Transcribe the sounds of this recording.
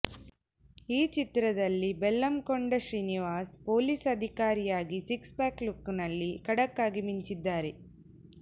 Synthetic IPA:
iːt͡ʃit̪ɾɐd̪ɐlːibelːɐmkoɳɖɐʃɾiːniʋaːspoːlisɐd̪ʱikaːɾijaːɡisikspaːklukːnɐlːikɐɽɐkːaːɡimiɲt͡ʃid̪ːaːɾe̞

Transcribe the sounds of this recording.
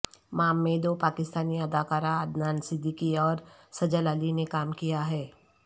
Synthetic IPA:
maːmːeːd̪opaːkɪst̪aːniɐd̪aːkaːɾaɐd̪naːnsɪd̪ʱːikiɔːɾsɐd͡ʒələlinekaːmkijaɦɛː

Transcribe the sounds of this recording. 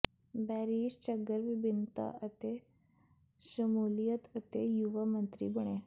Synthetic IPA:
bæɾiːɕt͡ɕəɡəɾʋibint̪a̰ʔət̪e | ɕəmulijət̪ət̪ejuʋəmənt̪ɾḭːbəɳ̃e

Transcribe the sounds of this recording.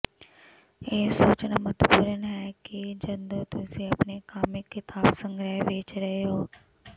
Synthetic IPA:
eːsoːt͡ʃnamət̪puːɾənɦɛːkid͡ʒɐnd̪ot̪useɐpnekaːmikːɪt̪aːbsə̃ŋɡɾɛɦʋeːt͡ʃɾɐɦeɦoː

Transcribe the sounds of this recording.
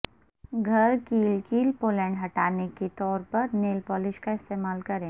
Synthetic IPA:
ɡʱɐɾkiːlkiːlpoːlɛ̃ːɳɖɦɐʈaːneket̪ɔːɾpɐɾneːlpɔːlɪʃkaɪst̪eːmaːlkɐɾẽː

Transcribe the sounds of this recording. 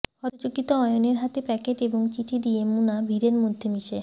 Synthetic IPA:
hɔt̪ot͡ɕokit̪oɔjoneɾɦat̪epɛkeʈeboŋt͡ɕiʈʰid̪ijemunabʱiɾeɾmod̪ʱːemiʃe

